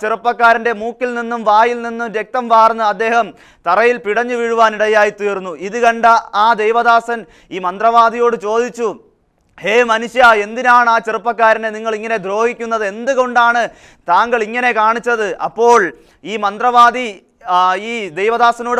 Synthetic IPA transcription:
t͡ɕerupːɐkːaːɾɐnde̞muːkːilninːumʋaːjilninːumɾjek̚t̪ɐmʋaːrnːɨɐd̪ːe̞ːhɐm | t̪ɐrɐjilpiɽɐɲːɨʋiɻuʋaːniɽɐjaːjit̪iːrunːuʔiðɨkɐɳɖɐaːd̪ejʋɐðaːsɐn | iːmɐnd̪rɐʋaːd̪ijo̞ːɽɨt͡ɕo̞ːd̪it͡ɕːu | heːmɐnuɕjɐe̞nd̪inaːɳɨaːt͡ɕerupːɐkːaːɾɐneniŋːɐɭiŋːɐne̞d̪ɾo̞ːhikʲːunːɐðɨe̞nd̪ɨɣo̞ɳɖaːɳɨ | t̪aːŋɡɐɭiŋːɐne̞kaːɳit͡ɕːɐðɨʔɐ̰pːo̞ːɭ | iːmɐnd̪rɐʋaːd̪i | iːd̪ejʋɐðaːsɐno̞ːɨ

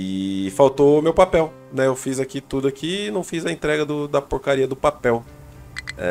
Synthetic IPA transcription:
ɪfawt̪omewpapɛw | nɛewfizakit̪ud̪ʊakiːnɐ̃w̃fizɐẽnt̪ɾɛɡɐd̪ʊd̪ɐpoɾkaɾiɐd̪ʊpapɛw | ɛ̰

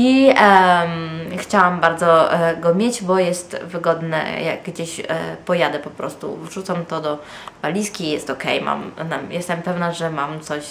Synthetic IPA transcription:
i | mxt͡ɕawambaɾd̪zɔɡɔmʲjed͡ʑbɔjɛst̪vɘɡɔd̪nɛ̰ja̰ɡɡd͡ʑeɕpɔjad̪ɛpɔpɾɔ̰st̪ṵʐut̪samt̪ɔd̪ɔ | valʲiskʲijɛst̪ɔkɛ̰jma̰mnajɛst̪ɛmpɛvnaʐɛmamt̪sɔɕ

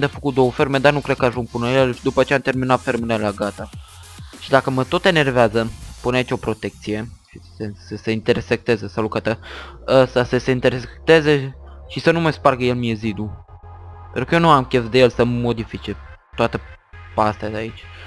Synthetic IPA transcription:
d̪eafəkut̪̚d̪o̞wəfe̞ɾmed̪arnukɾe̞d̪̚kəaʒuŋɡ̚pɨnəjeleld̪upəːt͡ʃe̞amt̪e̞rminat̪fe̞rmelelaɡat̪a | ʃid̪akəmət̪o̞t̪e̞ne̞rveazəpuneait͡ʃʲo̞pɾo̞t̪e̞k̚t̪sije̞ʃisesəse̞int̪eɾsek̚t̪e̞zesalukət̪əəst̪asəse̞int̪eɾseek̚t̪e̞zeʃisənumajsparɡəje̞lmije̞zid̪u | pent̪ɾukəjenuamkʲefd̪eje̞lsəmo̞d̪ifit͡ʃet̪oat̪əpast̪eadeait͡ʃʲ

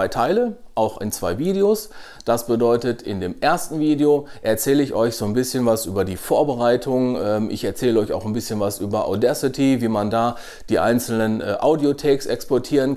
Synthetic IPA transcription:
aɪtʰaɪləʔaʊxɪ̰nt͡sv̥aɪviːdeos | d̥asb̥ədɔʏtətʰɪndeːmʔeːɐstn̩viːdeoʔɛɐt͡sɛːləɪçʔɔʏçz̥oːnbɪsçənvasʔyːbɐdiːfoːɐbəʁaɪtʰʊŋʔɛːmʔɪ̰çɛɐt͡sɛːləɔʏça̰ʊxnbɪsçənvasʔyːbɐʔa̰dɛsɪtʰiviːmandaː | d̥iːʔa̰ɪnt͡sl̩nənʔɛʔa̰ʊdiotʰɛːksʔɛkspɔɐtʰiːʁən

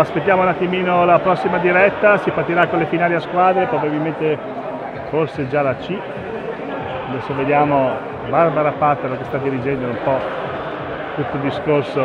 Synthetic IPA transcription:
aspet̪̬ːjaːmounat̪ːimiːnolapɾɔsːimad̪iɾɛt̪ːasipart̪ːiɾakːonlefinaːleaskwaːd̪ɾepɾobabilment̪e | forsed͡ʒalat͡ʃi | ad̪ɛsːoved̪jaːmo | barbaɾapat̪ːeɾokest̪ad̪iɾid͡ʒɛnd̪oumpɔ | t̪ut̪ːold̪iskorso

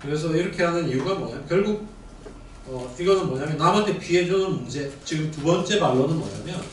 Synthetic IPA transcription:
kɯɾe̞s̬ʰʌiɾʌkʰe̞ɦanɯniuɡamʌɲamkjʌɭɡuɡ̚ | ʌiɡʌnɯnmʌɲamjʌnamɦantʰe̞pɥiɦe̞d͡ʑʌnɯnmund͡ʑe̞t͡ɕiɡɯmtubʌnt͡ɕ͈e̞maɭːʌnɯnmʌ̰ɲa̰mjʌn

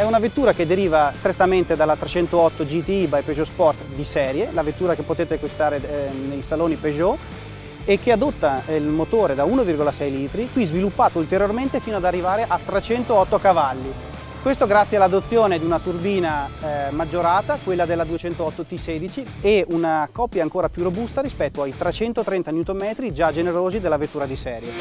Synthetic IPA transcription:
ɛunavet̪ːuːɾaked̪eɾiːvast̪ɾet̪ːament̪ed̪alːat̪ɾet͡ʃɛnt̪oɔt̪ːod͡ʒit̪iibajpeʒɔspɔrt̪d̪isɛːɾjelavet̪ːuːɾakepːot̪eːt̪ekwist̪aːɾenejsaloːnipeʒɔ | ekːead̪ot̪ːailmot̪oːɾed̪auːnovirɡolasɛjliːt̪ɾikwizvilupːaːt̪oult̪eɾjorment̪efiːnoad̪arːivaːɾeʔat̪ːɾet͡ʃɛnt̪oɔt̪ːokavalːi | kwest̪oɡɾat̪sːjealad̪ot̪sːjoːned̪iunat̪urbiːnamad͡ʒːoɾaːt̪akwelːad̪elːad̪uet͡ʃɛnt̪oɔt̪ːot̪iseːd̪it͡ʃieunakɔpːjaːŋkoːɾapjurobust̪aɾispɛt̪ːoajt̪ɾet͡ʃɛnt̪ot̪ɾɛnt̪anjut̪omɛːt̪ɾid͡ʒad͡ʒeneɾoːzid̪elːavet̪ːuːɾad̪isɛːɾjo

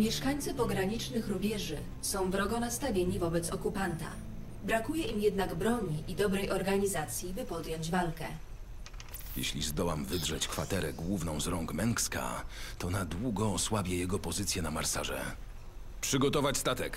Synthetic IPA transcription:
mʲjɛʂkaɲʲt̪sɘpɔɡɾaɲit͡ʂnɘxɾubʲjɛʐɘ | sɔ̃w̃vɾɔɡɔnast̪avʲjeɲivɔbɛt̪sɔkupant̪a̰ | bɾakujɛʔimjɛd̪naɡbɾɔɲiʔid̪ɔbɾɛjʔɔɾɡaɲizat̪sʲjibɘpɔd̪jɔɲd͡ʑvalkɛ | jɛ̰ɕlʲizd̪ɔwamvɘd̪ʐɛt͡ɕkfa̰t̪ɛɾɛɡwuvnɔ̃w̃zɾɔŋɡmɛŋkska̰t̪ɔnad̪wuɡɔːswabʲjɛjɛɡɔpɔzɘt̪sʲjɛnama̰ɾsa̰ʐɛ̰ | pʂɘɡɔt̪ɔvat͡ɕʲst̪at̪ɛk

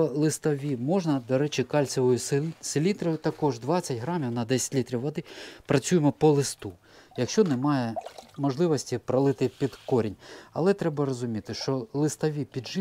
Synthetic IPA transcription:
ɔlˠɪst̪ɐʋʲimɔʒnɐd̪ɔɾɛt͡ʃɪkɑlʲt͡sʲɔʋɔjʊssɪlʲit̪ɾɐjʊt̪ɐkɔʒd̪ʋɑt͡sʲːɐtʲɦɾɑmʲiwnɐd̪ɛsʲɐ̥tʲlʲit̪ɾʲiwʋɐd̪ɪpɾɐt͡sʲujmɔpɔlˠɪst̪u | jɐkʃt͡ʃɔnɛmɑjɛmɔʒlˠɪʋɔsʲtʲipɾɐlˠɪt̪ɪpʲid̪kɔɾʲinʲɐ̰lˠɛt̪ɾɛbɐrɔzʊmʲit̪ɪʃt͡ʃɔlˠɪst̪ɐʋʲipʲid̪ʒɪ

